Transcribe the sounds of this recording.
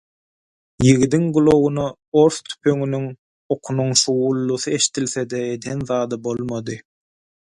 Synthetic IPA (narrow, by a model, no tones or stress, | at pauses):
jiɣid̪iŋɡulˠo̞ɣunɑ | o̞ɾθt̪ʰy̥pø̞ŋynyŋ | oqʰunuŋʃuwulˠːuθɯe̞ʃi̥t̪ilθe̞d̪eed̪enðɑːd̪ɯbo̞lˠmɑd̪ɯ